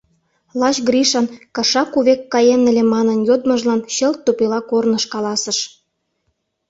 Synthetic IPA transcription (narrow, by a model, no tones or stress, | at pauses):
lɑɕɡɾiʃɑnkɑʃɑkuβekːɑjenĕlemɑnənjod̪mə̆ʒlɑnɕə̆lt̪ːupilɑkornəʃkɑlɑsə̆ʃ